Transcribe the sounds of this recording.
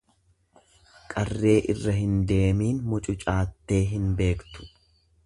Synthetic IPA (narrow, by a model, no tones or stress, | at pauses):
kʼɐrːe̞ːʔɪrːɐɦɪnd̪e̞ːmiːnmʊt͡ʃʼʊt͡ʃʼaːt̪ːe̞ːɦɪnbe̞ːkt̪ʊ̥